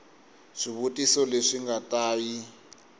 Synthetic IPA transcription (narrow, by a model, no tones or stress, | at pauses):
ʂiβutʼisɔleʂiŋɡatʼaːji